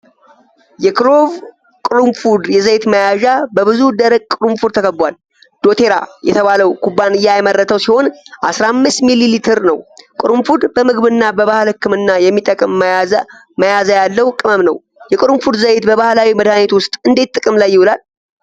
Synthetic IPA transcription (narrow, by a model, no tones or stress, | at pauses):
jɛkɾo̞v | kʼɨɾumfud̪jɛzəjt̪məjaʒabəβɨzud̪əɾəɡkʼːɨɾumfud̪t̪ʰəkʰəbwal | d̪̥o̞t̪ʰe̞ɾa̰jɛ̰t̪ʰəβaləwkubːanɨjajmərːət̪ʰəwsiho̞nʔasɾamːɨst̪mililit̪ʰɨɾnəwkʼɨɾumfud̪bəmɨɡβɨnːabəβahlɨkːɨmɨnːajɛmːit̪ʼːəkʼɨm | məjazajalːəwkʼɨməmnəw | jɛkʼɨɾumfud̪zəjet̪bəβahlawiməd̪anet̪wʊst̪ʼɨnd̪et̪ʼːɨkʼɨmlajːɪwulal